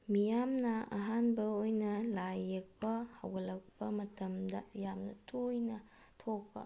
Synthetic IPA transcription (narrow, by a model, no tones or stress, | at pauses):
mijamnɐa̰ɦanbɐojnɐlajːek̚pɐhɐwɡɐlɐk̚pɐmɐtɐmdɐjamnɐtʰojnɐ | tʰokpɐ̰